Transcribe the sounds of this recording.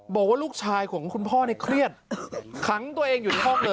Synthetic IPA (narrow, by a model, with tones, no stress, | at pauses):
bɔː˨˩k̚waː˥˩luː˥˩k̚t͡ɕʰaː˧jkʰu˩˦ŋkʰu˧npʰɔː˥˩na˧jkʰɾi˥˩ət̪̚kʰa˦˥ŋt̪u˧ɐʔeː˧ŋjuː˨˩nʰa˧˩ɦɔː˥˩ŋ̚lɤː˧